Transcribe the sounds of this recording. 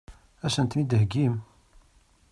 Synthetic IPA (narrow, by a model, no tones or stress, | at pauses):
æʃənt̪nid̪ɦɡim